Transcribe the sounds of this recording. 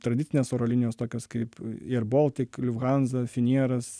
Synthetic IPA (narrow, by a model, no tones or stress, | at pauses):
t̪ɾɐd̪ʲɪtt͡sʲɪnʲeːsoːɾoːlʲɪnʲɪjoːst̪oːkʲoːskɐɪpiɛɾboːlˠt̪ʲɪklʲʊʋɣɑnzɐfʲɪnʲiɛɾɐs